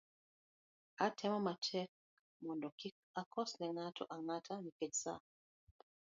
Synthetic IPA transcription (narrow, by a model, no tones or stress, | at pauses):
atʰɛmamat͡ʃɛk̚ | mɔndɔkik̚akʰɔsnɛnatʰɔ̰ʔaŋatʰanikɛd͡ʒsa̰